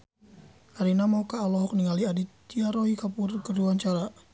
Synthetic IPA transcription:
ʔaɾinamaukaːlɔɦɔk̚niŋaliadit̪iaɾɔɦikapurkəɾuaɲt͡ʃaɾa

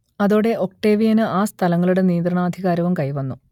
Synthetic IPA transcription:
ɐðoːɽe̞ʔo̞k̚ʈe̞ːʋijɐnɨʔaːst̪ʰɐlɐŋːɐɭuɽe̞niːnd̪ɾɐɳaːd̪ʱiɣaːɾɐʋɐmkɐjʋɐnːu

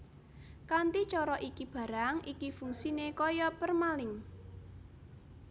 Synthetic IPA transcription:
kant̪it͡ʃɔɾɔʔikib̥ä̤ɾaŋikifuŋsinekɔjɔpərmalɪŋ

